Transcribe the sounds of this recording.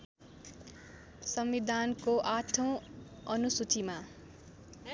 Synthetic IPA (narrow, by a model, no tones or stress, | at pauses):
sʌmʋid̪ʱankoʔat̪ʰʌ̃w̃ʌnusut̪ʰima